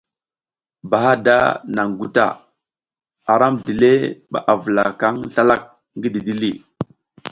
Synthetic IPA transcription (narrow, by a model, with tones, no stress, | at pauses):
ba˨ɦa˦da̰˦na˨ŋɡu˦ta̰˦˨ | a˨ɾa˦mdi˨le˦ɓa̰˨ʔa˨və˨la˨ka˦ŋɬa˦la˦k̚ | ŋɡi˦di˨di˦li˦